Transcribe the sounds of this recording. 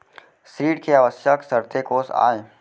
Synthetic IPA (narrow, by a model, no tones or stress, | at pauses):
sɾiːɖkeaʋəsjəksɐɾt̪ekoːsa̰ːe